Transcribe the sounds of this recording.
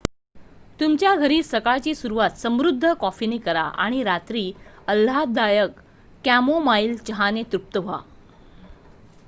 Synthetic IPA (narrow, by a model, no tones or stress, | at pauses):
t̪umt͡ɕjaɡʱəɾiːsəkaɭt͡ɕiːsuɾuʋat̪səmɾud̪ʱːəkɔfinikəɾa̰ʔa̰ɽ̃iɾat̪ɾiːəl̤ɦad̪ajəkː | æmomailt͡ɕəɦanet̪ɾup̚t̪əʋa̰